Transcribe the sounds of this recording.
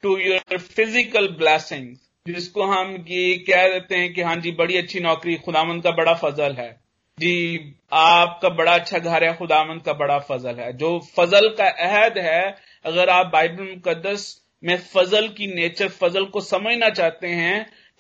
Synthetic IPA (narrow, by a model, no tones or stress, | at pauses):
ʈujoɾfɪzɪkəlblɛːsɪ̃ŋz | d͡ʒɪskoɦɐmjekɛɦd̪eːt̪eɦɛ̃keɦãːd͡ʒiːbɐɽiɐtːʃʰinɔːkɾixʊd̪aːʋə̃nd̪̚kabɐɽafɐzəlɦɛː | d͡ʒiː | aːp̚kabɐɽaɐtːʃʰaɡʱɐɾɦɛxʊd̪aːʋə̃nd̪̚kabɐɽafɐzəlɦɛːd͡ʒoːfɐzəlkaʔɛɦəd̪ɦɛ | ɐɣəɾaːp̚baːɪbəlmʊkəd̪ːəs | mẽfɐzəlkineːt͡ʃəɾfɐzəlkosɐməd͡ʒʱnat͡ʃaːt̪eɦɛ̃